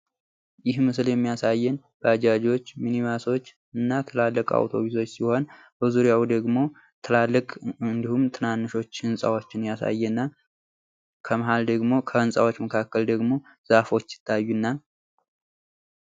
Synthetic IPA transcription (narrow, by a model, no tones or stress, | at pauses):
jɪhmɨsɨljɛmːijasajːɛn | b̥əad͡ʒad͡ʒo̞t͡ʃːminimaso̞t͡ʃː | ɨnːat̪ʰɨlalːəkʼa̰wt̪ʰo̞̰βis̬o̞t͡ʃːsiho̞n | bəzuɾjawd̪əɡmo̞ | t̪ʰɨlalːəkʼɨnd̪ihumt̪ʰɨnanːɨʃo̞t͡ʃːhɨnsʼa̰wot͡ʃːɪnjasa̰jːɛnːa | kʰəməɦald̪əɡmo̞kʰəɨnsʼa̰wot͡ʃːməkʰakːəld̪əɡmo̞ | z̥afo̞t͡ʃːsɪ̥t̪ʰːajːunːa